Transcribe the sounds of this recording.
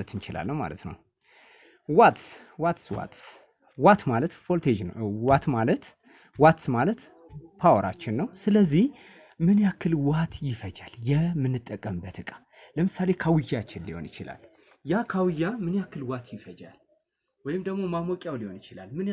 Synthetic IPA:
ət̪ʰɨnt͡ʃɪla̰lːəwma̰lə̰t̪nə̰w | wat̪ | wat̪swa̰t̪ | wat̪malət̪folt̪ʰed͡ʒnwat̪malət̪ | wat̪malət̪ | pʰawəɾa̰t͡ʃːɪnːəwsɨləzːih | mɨnjakʰːɨlwat̪jɪfəd͡ʒaljɛmɨnːɨt̪ʼːəkʼːəmɨbːət̪ɨkʼḁ | ləmɨsale̞kʰawɨjːat͡ʃːɪnliho̞̰nɪt͡ʃɪla̰l | jakʰawɨjamɨnjakːɨlwat̪ʰjɪfəd͡ʒa̰l | wɔjɪmd̪əɡmo̞mamokʼjawlihonɨt͡ʃɪlalmɨn

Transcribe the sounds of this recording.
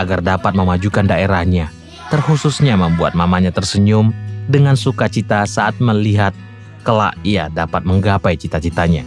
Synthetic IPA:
aɡardapat̪̚məmad͡ʒukandaeɾahɲa | t̪ərhususɲaməmbua̰t̪̚mamaɲat̪ərsəɲʊmdəŋansukat͡ʃit̪asaʔat̪̚məliɦat̪̚ | kəla̰ʔia̰dapat̪̚məŋɡapajt͡ʃit̪at͡ʃit̪aɲa

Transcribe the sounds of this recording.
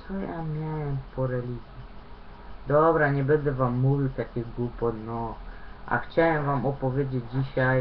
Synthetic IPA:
sɔjamʲjawɛmspɔɾɛlʲiɡ̪ʲɛ | d̪ɔbɾaɲɛbɛnd̪ɛvamːuvʲiwt̪akʲiɣɡupɔt̪nɔʔa̰xt͡ɕawɛmvamɔpɔvʲjed͡ʑed͡ʑd͡ʑiɕaj

